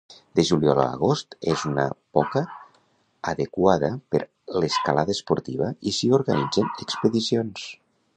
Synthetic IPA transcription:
d̪eʒuliɔla̰ːɣ̞ost̪ezunə̰pɔkəː | ðekwaðəpəɾ | leskalaðəspoɾt̪iβ̞əisioɾɣanid͡zənəkspəðisions

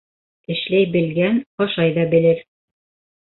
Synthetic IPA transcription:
ɘ̆ʃlæjbɘ̆lɡænɒʃɑjðɑbɘ̆lɘɾ

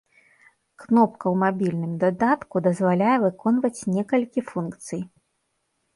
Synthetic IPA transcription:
knɔp̚kɐwmabʲilʲnɨmd̪ad̪at̪kud̪ɐzvalʲajɛvɨkɔnvɐt͡sʲnʲɛkɐlʲkʲifunkt̪sɨj

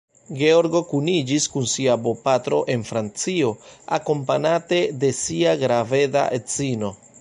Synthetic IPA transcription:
ɡe̞o̞ɾɡo̞kunid͡ʒiskunsiabo̞patɾo̞ʔe̞nfɾant͡sio̞a̰ko̞mpanate̞de̞siaɡɾave̞da̰ʔet͡sino̞

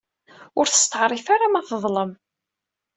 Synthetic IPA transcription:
ʊɾθə̥st̪əʕɾˤifaɾamæθəðˤləm

